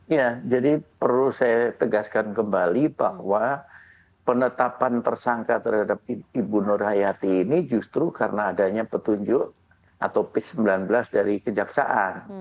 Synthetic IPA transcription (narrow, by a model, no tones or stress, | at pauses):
jad͡ʒadipərlusajat̪əɡaskankəmbalibahwa | pənət̪apant̪ərsaŋkat̪ərhadap̚iibunorhajat̪iːnid͡ʒust̪ɾukaɾənaːdaɲapət̪uɲd͡ʒʊʔ | a̰t̪owpɪsəmbilanbəlasdaɾikəd͡ʒaksa̰ʔan